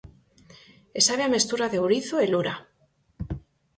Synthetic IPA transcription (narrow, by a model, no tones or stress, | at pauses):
esaβeame̞st̪uɾaðewɾiθoeluɾa